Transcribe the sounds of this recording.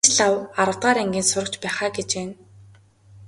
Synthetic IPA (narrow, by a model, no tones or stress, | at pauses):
t͡ɕɮawaɾə̆t̪ɢaːɾeŋɡʲiːnsʊɾə̆kt͡ɕpæːχaːɡet͡ɕeːn